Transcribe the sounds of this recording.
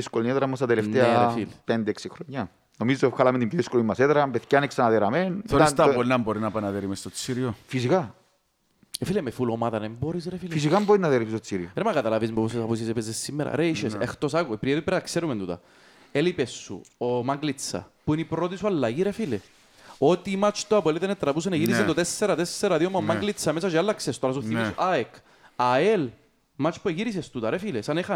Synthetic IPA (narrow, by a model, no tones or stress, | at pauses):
iskolinieðɾɐmːos̬t̪ɐt̪elefnt̪eeɐɾefilpend̪eeksixɾoɲːɐ | nomizːoefxalɐment̪impjoðiskolimːɐseðɾɐmpeθcɐneksɐnɐðeɾɐmenoɾist̪ɐpolnɐmboɾinɐpɐnɐðeɾimest̪ot͡sːiɾiofisika | efilemefulomaðɐnemboɾisɾefilfis̬ikamboɾinɐðeɾist̪ot͡siɾioɾemɐkɐt̪ɐlɐvizmepos̬esɐpus̬isepezesːimːeɾɐ̰ɾeʃesext̪osɐkuepɾievipeɾɐkseɾument̪ut̪ɐ̰ | elipesːṵomɐŋɡlit͡sːɐ̰puinipɾot̪̬isuɐlːɐʝiɾefile | ot̪imat͡ʃt̪oɐpoeliðenet̪ːɾɐpus̬enɐʝiɾized̪ot̪esːɛɾɐt̪esːeɾɐðiomɐmːɐɡlit͡sːɐmes̬ɐt͡ʃeelːɐksest̪oɾɐs̬uθimisuʔaek | ɐel | mat͡ʃpueʝiɾis̬est̪ut̪ɐɾefilesɐnexɐ